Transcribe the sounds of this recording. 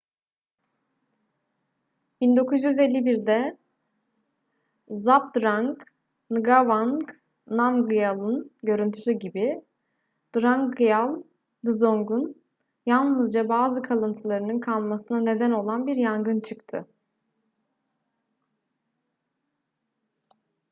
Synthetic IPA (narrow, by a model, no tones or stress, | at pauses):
b̥ind̪o̞kʰuzjyzelʲːibiɾd̪ɛ | zap̚d̪ɾaŋk | nɯɡavank | namɡɯjalˠɯnɟø̞ɾynt̪ʰysyɟibi | d̪̥ɾaŋkɯjalˠ | d̪ɯzo̞ŋɡun | jalˠnɯzd͡ʒabaːzɯkʰalˠɯnt̪ʰɯlˠaɾɯnɯnkʰalˠmasɯnane̞d̪æno̞lˠanbiɾjaŋɡɯnt͡ʃʰɯkt̪ʰɯ̰